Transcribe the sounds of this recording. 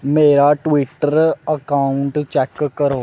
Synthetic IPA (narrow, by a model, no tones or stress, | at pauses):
meːɾaːʈʋiʈːəɾəkaːʊɳʈt͡ʃɛːkkəɾoː